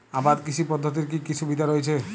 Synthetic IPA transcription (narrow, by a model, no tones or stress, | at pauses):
abad̪kit͡ʃʰipɔd̪ʱːot̪̬iɾk̬ikiʃʰubid̪ʱaɾojt͡ʃʰe